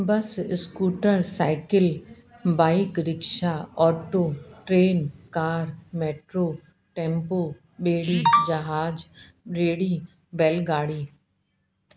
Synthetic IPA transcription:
bɐsskuːʈəɾsaːɪkɪl | baːɪkɾɪkʃaɔːʈoːʈɾeːnkaːɾmeːʈɾoː | ʈɛ̃ːmpoː | ɓeːɽiːd͡ʒɐɦaːd͡ʒ | ɾeːɽiː | bɛːlɡaːɽiː

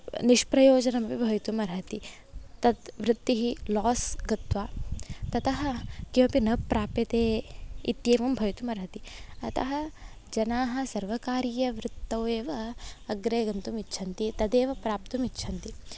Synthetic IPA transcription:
niʃpɾɐjoːd͡ʒɐnɐmɐpibʱɐjt̪umɐɾɦɐt̪i | t̪ɐd̪ʋɾɪt̪ːiɦilɔːsɡɐt̪ʋaːt̪ɐt̪ɐɦɐ̆kiʋɐpinɐpːɾaːpet̪eːit̪jeːʋɐmbʱɐjt̪umɐɾɦɐt̪iɐt̪ɐ̰ɦɐ̆ | d͡ʒɐnaːɦɐsɐɾʋɐkaːɾijɐʋɾɪt̪ːɐweːʋɐɐɡɾeːɡɐnt̪umitːʃʰɐnt̪it̪ɐd̪eːʋɐpɾaːpt̪umitːʃʰɐnt̪i

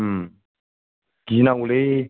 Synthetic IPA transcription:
ɡ̥inaule

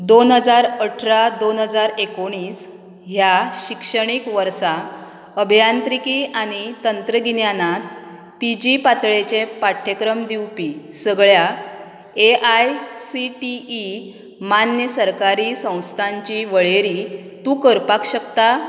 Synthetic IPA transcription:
d̪onɦəd͡zaɾəʈʰɾad̪onɦəd͡zaɾekoɽ̃iːs | ɦjaɕikʂəɽ̃ikʋəɾsa | əbʱjant̪ɾikiʔaɽ̃it̪ənt̪ɾəɡinjanat̪̚ | pid͡ʑipat̪ɭet͡ɕepaʈʰːekɾəmd̪iwpisəɡɭja | eʔajsiʈiː | manjəsəɾkaɾiːsə̃w̃st̪ʰaɲt͡ɕiʋəɭeɾit̪ũːkəɾpakɕəkt̪a

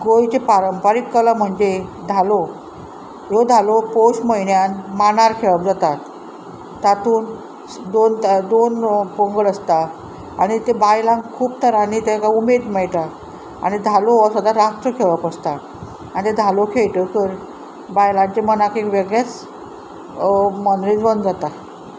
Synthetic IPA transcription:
ɡojt͡ɕepaɾəmpaɾikːəlam̤əɳd͡zed̪ʱalo | jod̪ʱalopoɕməinjanmanaɾkʰeʋəp̚d͡zat̪a | t̪at̪uːn | d̪ont̪d̪onpoŋɡəɭəst̪aː | ɽ̃it̪ebajlãŋkʰuːp̚t̪ʰəɾanit̪ekaumed̪mɛɭt̪a | a̰ɽ̃id̪ʱaloasəd̪aɾast̪ɾəkʰeʋəpəst̪a | anit̪ed̪ʱalokʰeɭt̪ət̪əɾ | bajlãɲt͡ɕemənakekʋeɡɭjat͡s | mənɾid͡zbənd̪d͡zat̪a

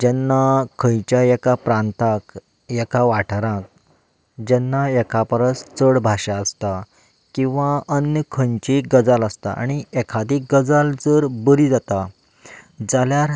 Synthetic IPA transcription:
d͡ʑɛnːakʰə̃jt͡ɕjajɛkapɾãnt̪ak | jɛkaʋaʈʰɾãk̚ | d͡ʑɛnːaɛkʰapɾəst͡səɽbʱaɕaəst̪a | kĩw̃ʋaənjəkʰəɲt͡ɕiɡəd͡zaləst̪a̰ʔa̰ɽ̃iɛkʰad̪ik̚ɡəd͡zald͡zəɾbəɾid͡zat̪a | d͡zaljaɾ

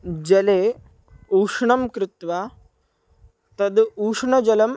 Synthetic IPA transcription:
d͡ʒɐleː | uːʂɳɐmkɾɪt̪ʋa | t̪ɐd̪uːʂɳɐd͡ʒɐlɐm

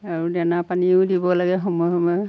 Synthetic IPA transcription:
aɹudɛnapaniʊ̃dibɔlaɡɛɦɔmɔjɔmɔ

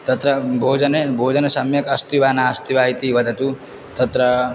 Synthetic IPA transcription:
t̪ɐt̪ɾəbʱoːd͡ʒənebʱoːd͡ʒənesɐmjɐkɐst̪iʋaːnast̪iʋaɦit̪iʋɐd̪ʱɐt̪u | t̪ɐt̪ɾɐ

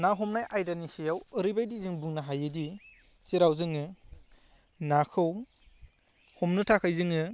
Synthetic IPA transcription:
naɦɔmnajʔajdanisijawɯɾibajdizɯŋbuŋnaɦajɯdi | siɾawzɯŋɯ | nakʰɯw | hɔmnɯtʰakʰajzɯŋɯ

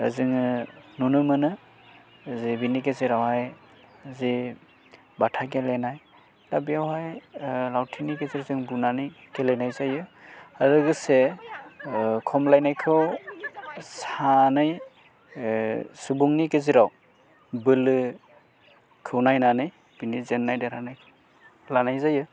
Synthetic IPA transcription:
ɯ̰zɯŋɯnunumɯnɯ | zibinikeziɾawhaj | zi | batʰaɡelenaj | labijawhajlawtʰinikeziɾzɯŋbunanɯj | kelejnajzajɯaɾɯɡɯse | kʰɔmlajnajkʰɯw | sanɯj | subuŋnikeziɾaw | bɯlɯ | kʰɯwnajnanɯj | b̥inizenːajdeɾanɯj | lanajzajɯ

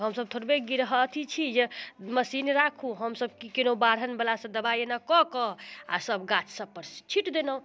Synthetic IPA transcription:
ɦəmsəb̚t̪ʰoɾbeɡiɾɦət̪ʰit͡ʃʰid͡ʒeməsinɾakʰuɦəmsəbkikinobaɾənbəlasə̃d̪əbajenakɔkɔa̰səbɡat͡ʃʰsəpːəɾst͡ʃʰiʈd̪enə̃

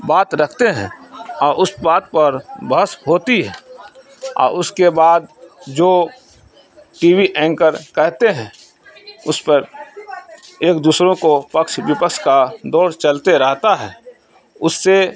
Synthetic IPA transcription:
baːt̪ɾəkʰt̪eɦɛ̰̃ɔːɾʔʊsbaːt̪̚pəɾbəsɦoːt̪iɦɛ̃ː | ɔ̰ːɾʊskebaːd̪d͡ʒoː | ʈiːwiʔɛ̃ːŋkəɾkɛɦt̪eɦɛ̃ | ʊspəɾ | eːkd̪uːsɾõkopəkʃwɪpəkʃkad̪ɔːɾt͡ʃəlt̪eɾəɦt̪aɦɛː | ʊsːe

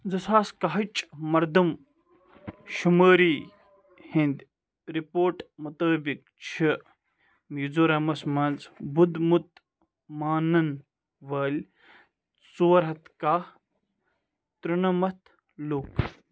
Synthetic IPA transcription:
d͡zɐsaːskɐɦɐt͡ʃʼmɐɾd̪ɐm | ʃuməːɾiː | hind̪ʲ | ɾipoːɾʈmut̪əːbik̚ | t͡ʃʰi | mjid͡zuɾɐmɐsmɐnzbud̪mut̪̚ | maːnɐn | ʋɐːlʲ | suːɐɾɦɐt̪ka | t̪ɾunɐmɐt̪ʰ | luk

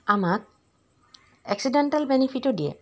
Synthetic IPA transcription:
amak̚ | ɛksidɛnʈalbɛnipʰitɔdiɛ̰

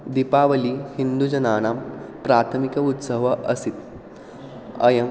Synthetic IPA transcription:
d̪ipaːʋɐlihind̪ud͡ʒɐnaːñaːmpɾaːt̪ʰəmikɐut̪səʋɐʔɐsit̪ | ɐ̰jɐm

